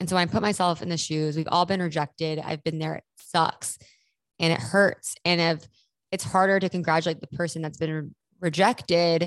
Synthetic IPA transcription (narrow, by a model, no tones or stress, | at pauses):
ɨ̃nsoʊaɪ̃mpʰʊt̚maɪsɛlˠfɨ̰̃nðɨʃʉzwivɔ̰lˠbɨ̃nɹɨd͡ʒɛk̚tɪɾa̰ɪvbɨ̃nðə˞ɨ̰tsʌ̰ks | ɨ̃ɾ̃ɨ̰t̚hɜ˞tsɨ̃nɪv | ɨtshɑɹɾə˞ɾɨkɨ̃n̩ɡɹæt͡ʃʉleɪt̪̚ðəpʰɜ˞sɨ̃n̩ðɨtsb̥ɨ̃n | ɹɨd͡ʒɛktɪd